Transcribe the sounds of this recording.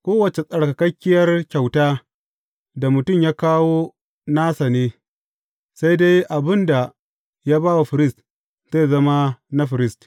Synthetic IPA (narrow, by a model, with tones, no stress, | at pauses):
kʷoː˦wɐ˨t͡ʃe˨sʼɐ˨ɽka˨kɐ˦kʲːɪ˦jɐ˦rkʲa˨wtaː˦ | da˨mʊ˨tʊ˦˨mjaː˦kaː˦woː˦ | naː˦sa˨neː˦ | sa˦jde˦jʔa˨bɪ˦nda˨ | jaː˦baː˦wa˨ɸɪ˨ɾɪ˦˨st | zeː˦jzɐ˦ma˦na˦ɸɪ˨ɾɪ˦st